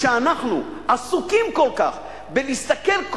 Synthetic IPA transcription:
ʃeanaχnṵasukimko̞lka̰χ | belist̪ake̞lk

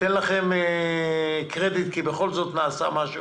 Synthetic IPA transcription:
t̪enlaχeme | kʁed̪it̪kibeχo̞lzot̪naːsa̰maʃu

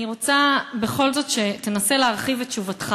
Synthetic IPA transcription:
iʁo̞t͡sabe̞χo̞lzo̞tʃe̞tenase̞leaʁχivett͡ʃuvatχa

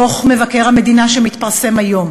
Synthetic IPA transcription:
o̞χme̞vakeʁhame̞d̪inaʃemit̪paʁse̞majo̞m

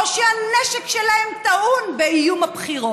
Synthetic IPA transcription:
oʃeaneʃekʃelahemt̪aʔunbeijumapχiʁo

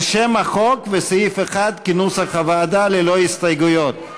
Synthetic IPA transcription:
ʃemaχo̞kvesajifeχad̪kinushaχavaːd̪alelo̞hist̪ajɡujo̞t̪̚

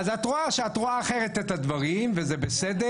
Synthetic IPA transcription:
azatʁuaʃeatʁuaːχeʁet̪ethad̪vaʁimvezebesed̪e

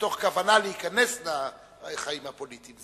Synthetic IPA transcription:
t̪o̞χkavanaleikanesla | χaimhapolit̪imz

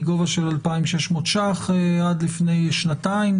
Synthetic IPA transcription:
ɡo̞vaʃelalpaimʃeʃmot̪ʃaχead̪lifne̞jʃnat̪aim

